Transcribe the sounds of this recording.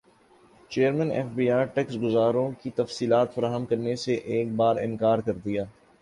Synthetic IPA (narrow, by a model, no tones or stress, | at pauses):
t͡ʃeːəɾmɛ̃ːnɛ̰ːfbiːaːɾʈɛːksɡʊzaːɾõkit̪ɐfsiːlaːt̪fɐɾaːɦəmkɐɾneseʔeːk̚baːɾɪ̃nkaːɾkɐɾd̪ijaː